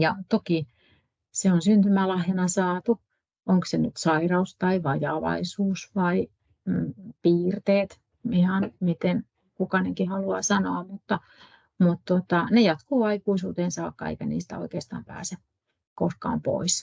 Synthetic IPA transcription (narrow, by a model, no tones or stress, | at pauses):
jɑt̪oki | seonsynt̪ymælɑhjɑnɑsɑːt̪u | ʔoŋksenyt̪sɑirɑust̪ɑiʋɑjɑːʋɑ̰isuːsʋɑi | piːrt̪eːt̪ | ihɑnmit̪en | kukɑneŋkihɑluɑ̰sɑnoːmut̪ːɑ | mut̪t̪ot̪ɑnejɑt̪kuːɑikuisuːt̪eːnsɑːkːɑ̰ḛikænḭːst̪æ̰o̰ikeːst̪ɑ̰ːmpæ̰ːse | koskɑ̰ːmpo̰is